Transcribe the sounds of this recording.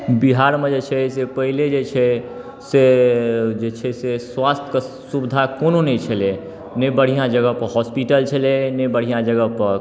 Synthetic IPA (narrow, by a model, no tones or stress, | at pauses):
biɦaɾmed͡ʒet͡ʃʰɛsepəɦiled͡ʒet͡ʃʰɛ | se | d͡ʒet͡ʃʰɛseswast̪ʰjə̥kə | subd̪ʱakononɛjt͡ʃʰəle | nebəɽ̤ijãd͡ʒəɡəpəɦɔspiʈəlt͡ʃʰəlenebəɽ̤ijãd͡ʒəɡəpə